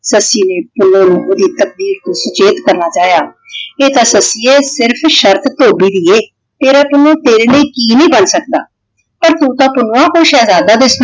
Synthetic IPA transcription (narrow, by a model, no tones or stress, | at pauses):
səsːiːneːpʊloːnõd̪iːt̪ək̚b̪iːɾt̪oːsʊt͡ʃeːt̪kəɾnaːt͡ʃaːjaː | eːt̪ãːsəsiːeːsɪɾpʰʃəɾt̪t̪oːbiːd̪iːeː | t̪eːɾaːpʊnõːt̪eːɾeːliːkiːnəĩːbənsək̚d̪a̰ː | pəɾt̪ũːt̪ãːpʊnoãːkʊiʃɛːzaːd̪aːd̪ɪs